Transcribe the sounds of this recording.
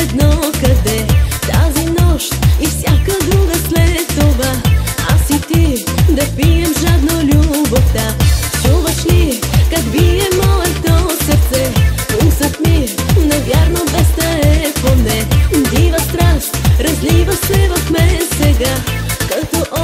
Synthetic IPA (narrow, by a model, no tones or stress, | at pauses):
ɛd̪nɔkɐd̪ɛt̪azinɔʃt̪ifsʲjakəd̪ɾuɡɐsmɛt̪ovaasit̪id̪ɐpijɛmʒad̪nolʲuboft̪at͡ʃuvɐʃnikɐɡviɛmɔɛt̪osəɾt̪sɛusət̪minɐvʲjaɾnobɛst̪ɐɛpomnɛd̪ivɐst̪ɾast̪ɾɐzlivɐsɛvɐxmɛsɛɡakɐt̪ɔʔɔ